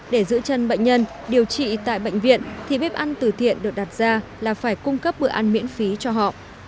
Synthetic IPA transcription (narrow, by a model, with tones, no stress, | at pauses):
ɗe˧˩zɨ̰˧˥t͡ɕə˧˩nɓə̰˧˨ŋ̟ɲə˧n | ɗi˨˩əwt͡ɕḭ˧˨t̪a̰ː˧˨jɓə̰˧˨jŋ̟vḭ˧˨ənt̪ʰi˨˩ɓe˦˥p̚ʔa˧nt̪ɨ˨˩t̪ʰḭ˧˨ənɗɨ˨˩ək̚ɗa˨˩t̚zaː˧laː˨˩faː˧˩jkʊ˧ŋ͡mkə˦˥p̚ɓɨ̰˧˨əʔa˧nmḭ˧˥ənfi˨˦t͡ɕɔ˧ɦɔ̰˧˨ʔ